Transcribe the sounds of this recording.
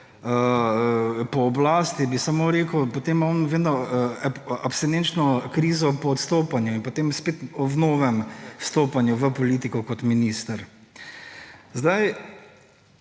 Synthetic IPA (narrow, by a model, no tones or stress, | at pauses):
ə | pɔːblaːst̪ibisamoɾeːkəwpot̪emɔnʋeːd̪nɔ | apst̪ɛnent͡ʃnɔkɾiːzɔpɔːt̪st̪oːpanjuinpot̪eːmspeːt̪ɔnoːʋɛmwst̪oːpanjuʋəpɔliːt̪ikɔkɔt̪minist̪əɾ | zd̪aj